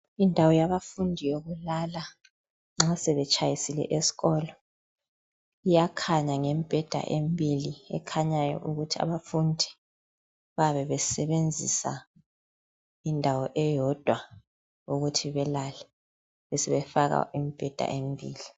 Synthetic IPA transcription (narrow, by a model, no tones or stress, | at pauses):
indʱawɔjaβafundʱijoɣulala | ŋ͡ǁasɛβɛt͡ʃʰʼajisilɛ̰ʔesi̥ɣɔːlɔ | ijakʰaɲaŋɛmib̥ʱɛd̥ʱa̰ʔembʱiliɛ̰kʰaɲajɔ̰ʔuɣutʰia̰βafundʱi̥ | βaβɛβɛsɛβend͡zʱisa̰ | indʱawɔʔɛjɔd̥ʱwa | uɣutʰiβɛlalɛ | βɛsɛβɛfaɣa̰imib̥ʱɛd̥ʱa̰ʔembʱiːli